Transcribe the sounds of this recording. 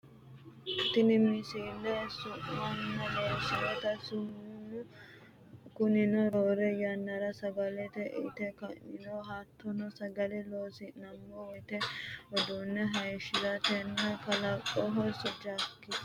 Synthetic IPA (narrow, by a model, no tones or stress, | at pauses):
t̪ɪnɪmɪsiːlːɛsʊʔɐnːɐloːsɪjɛt̪ɐsʊmunʊ | kʊnɪnɔɾoːɾɛjɐnːɐɾɐsɐɡɐlɛt̪ɛʔɪ̰t̪ɛkɐnɪnɔɦaːt̪ʰːɔnɔsɐɡɐlɛloːsɪnɐmːɔwɪt̪ɛɔd̪unːɛɦɐjʃɪɾɐt̪ɛnːɐkɐlɐkʼːɔɦɔsɔd͡ʒaːkːɪ